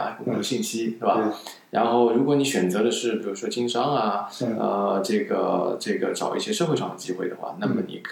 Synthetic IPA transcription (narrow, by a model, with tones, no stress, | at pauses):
a̰˥˩kʊ˨˩˧ɕi˥˩nɕi˥t̪e˥˩ba˨˩ | ɻa˧˥nxo˥˩ʊɻu˧˥kwɔ˧˥ni˧˥ɕɥɛ˨˩nt͡sɤ˧˥d̪ə˧ʂɻ̩˥˩pi˨˩ɻu˧˥ʂwɔ˥t͡ɕi˥ŋʂɑ˥ŋa˧ə̰˧ʈ͡ʂɤ˥˩ɡə̰˩ʈ͡ʂɤ˥˩ɡə˩ʈ͡ʂɑ˨˩ʊʔi˥˩ɕjɛ˥ʂɤ˥˧xwe˥˧ʂɑ˥˩ŋd̪ə˩t͡ɕi˥xwe˥˩ɪd̪ə˩xwa̰˥˩na˥˩mə˩nḭ˨˩kʰ